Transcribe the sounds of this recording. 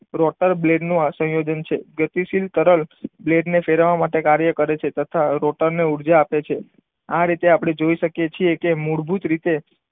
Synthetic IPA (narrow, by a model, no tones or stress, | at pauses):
ɾɔʈəɾbleɖnũasə̃jod͡ʒənt͡ʃʰeɡət̪isilt̪əɾəlbleɖnefeɾʋamaʈekaɾjəkəɾet͡ʃʰet̪ət̪ʰaɾɔʈəɾneuɽd͡ʒaːpet͡ʃʰe | aɾit̪eapɽ̃ed͡ʒoiʃəkjet͡ʃʰiekemuɽbʱut̪ɾit̪e